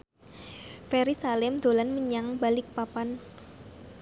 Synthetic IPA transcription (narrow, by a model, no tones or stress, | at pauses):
fɛɾisalɪmd̪̥o̤lanməɲaŋbalɪk̚papan